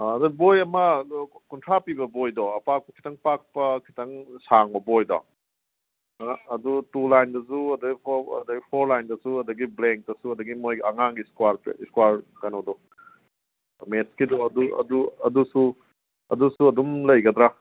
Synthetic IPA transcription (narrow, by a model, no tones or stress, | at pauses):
ɐdɐbojɐmɐkuntʰɾapibɐbojdɔɐpak̚pɐkʰi̥tɐŋpak̚pɐkʰi̥tɐŋsaŋbɐbojdɔ̰ | dutulajndɐsuɐdɐɡipʰɐ̰dɐɡipʰoɾlajndɐsuɐdɐɡibleŋk̚tɐsuɐdɐɡimojɐŋaŋɡiskwaɾpḛskwaɾkɐnodɔ | metskidɔɐduɐ̰duɐ̰dusu | ɐ̰dusuɐdumlɐjɡɐd̪ɾa